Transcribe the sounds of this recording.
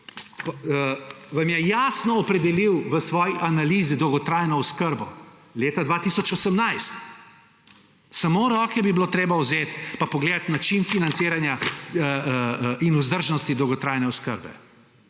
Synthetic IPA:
p | ʋamjɛjaːsnɔːpɾɛd̪ɛliwʋəsʋɔːjiʔanaliːzid̪ɔwɡɔt̪ɾaːjnɔɔskəɾbɔ | leːt̪ad̪ʋaːt̪isɔt͡ʃɔsəmnajst̪ | samoɾɔːkɛbibʲiloːt̪ɾeːbawzeːt̪papɔɡleːd̪at̪nat͡ʃinfinant̪seːɾanja | inuzd̪əɾʒnɔst̪id̪ɔwɡɔt̪ɾaːjnɛɔskə̰ɾbɛ̰

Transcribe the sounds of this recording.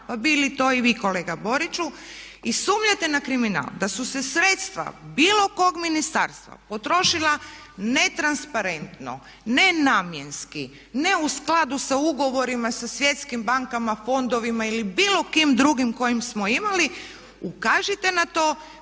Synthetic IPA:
pabiːlit̪o̞ːiʋiːko̞le̞ːɡabo̞ɾit͡ʃuisuːmʎat̪e̞nakɾimina̰ːld̪asusesɾe̞t̪st̪ʋa̰biːlˠo̞ko̞ɡminist̪a̰ɾst̪ʋa̰po̞t̪ɾo̞ʃilˠa | ne̞t̪ɾanspaɾe̞nt̪no̰ | ne̞naːmjenski | neusklad̪usauɡo̞ʋo̞ɾimasasʋje̞t̪skimbaŋkamafo̞nd̪o̞ʋimailibiːlˠo̞kimd̪ɾuɡimko̞jimsmo̞imali | ukaʒit̪e̞nat̪o̞ː

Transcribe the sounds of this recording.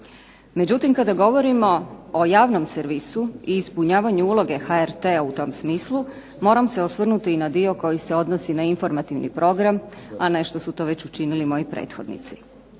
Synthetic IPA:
me̞d͡ʑut̪imkad̪aɡo̞ʋo̞ɾimo̞ojaːʋno̞mseɾʋisuiːspuɲaːʋaɲuuːlˠo̞ɡe̞xaeɾt̪eaut̪o̞msmiːslu | mo̞ːɾamse̞osʋr̩nut̪iːnad̪io̞ko̞jise̞o̞d̪nosinainfo̞ɾmat̪iʋnʔḭpɾo̞ɡɾamane̞ʃt̪o̞sut̪o̞ːʋe̞t͡ɕut͡ʃinilimo̞jipɾḛːt̪xo̞d̪nḭt̪si̥

